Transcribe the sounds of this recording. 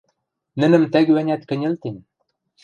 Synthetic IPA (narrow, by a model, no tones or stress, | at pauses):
nɘ̆nɘ̆mt̪æɡwænʲæt̪kɘ̆nʲɘ̆lt̪ɘnʲ